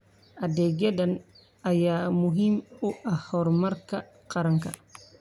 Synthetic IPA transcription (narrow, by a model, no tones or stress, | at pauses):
ʔadɛɡɛdan | ajaːmuɦimɔʔahɔɾmaɾka | qaɾaŋka